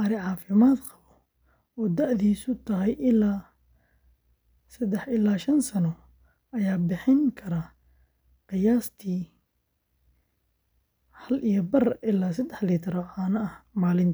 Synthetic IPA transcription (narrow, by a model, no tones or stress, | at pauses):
ʔɐɾɪʕɑːfɪmaːd̪qɑβɔ | ɔːd̪ɐʕðiːsʊt̪ʰɐɦɐjʔɪlaː | sɐd̪ɛħɪlaːʃɐnsɐnɔ | ɐjaːbɪħɪŋkʰɐɾa | qɪjaːst̪ʰiː | hɐlʔijɔbɐrʔɪlaːs̬ɐd̪ɛħlit̪ʰɪɾɔʕɑːnɐʔɐhmaːlɪnt̪ʰ